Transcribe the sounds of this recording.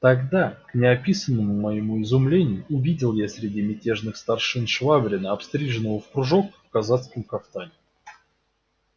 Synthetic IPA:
t̪ɐɡd̪aknʲɪɐpʲisənːəmʊmɐjɪmuɪzʊmlʲenʲɪjʊʊvʲidʲɪlˠjasʲɾʲɪdʲimʲɪtʲe̞ʐnɨxst̪ɐrʂɨnʂvabɾʲɪnəɐpst̪ɾʲiʐɨnːəvəfkɾʊʐokfkɐzat̪skəmkaft̪anʲɪ

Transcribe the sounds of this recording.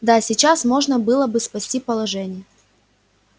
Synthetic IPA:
d̪asʲɪt͡ɕasmo̞ʐnəbɨlˠəbɨspɐsʲtʲipəlˠɐʐɛnʲɪjə

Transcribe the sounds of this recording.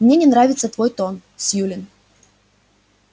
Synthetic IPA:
mnʲenʲɪnɾavʲɪt̪sət̪vo̞jt̪onsʲjulʲɪn

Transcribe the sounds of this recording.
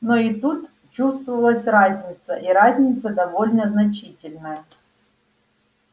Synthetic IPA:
noɪt̪ut̪ | t͡ɕust̪vəvəlˠəsʲrazʲnʲɪt̪səʔiɾazʲnʲɪt̪səd̪ɐvo̞lʲnəznɐt͡ɕitʲɪlʲnəjəə

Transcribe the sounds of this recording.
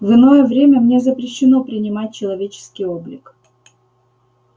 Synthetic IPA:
vɨno̞jəvɾʲemʲəmnʲe̞zəpɾʲɪɕːɪno̞pɾʲɪnʲɪmat̚ʲt͡ɕɪlˠɐvʲet͡ɕɪ̥skʲɪjoblʲɪk

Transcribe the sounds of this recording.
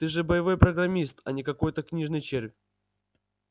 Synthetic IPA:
t̪ɨʐɨbəjɪvo̞jpɾəɡɾɐmʲist̪ɐ̰nʲɪkɐko̞jt̪əknʲiʐnəjt͡ɕerʲvʲ

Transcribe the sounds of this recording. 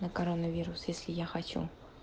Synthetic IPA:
nəkɐɾɔnəvʲiɾʊsjesʲlʲɪjaxat͡ɕṵ

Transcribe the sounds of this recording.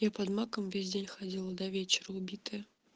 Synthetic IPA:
japɐd̪makəmvʲezʲdʲelʲxɐdʲilˠəd̪ɐvʲet͡ɕɪɾəʊbʲit̪ɨjə

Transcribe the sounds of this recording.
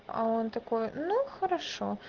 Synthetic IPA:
ɐ̰ɔnt̪ɐkɔjunuxɐɾaʂɔ̰

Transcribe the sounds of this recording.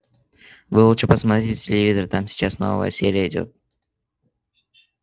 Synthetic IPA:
vɨlˠuʂəpəsmɐt̪ɾʲetʲtʲɪlʲɪvʲizəɾt̪amsʲɪ̥t͡ɕasno̰vvə̰jə̰sʲeɾʲɪjəɪdʲo̞̰t̪̚

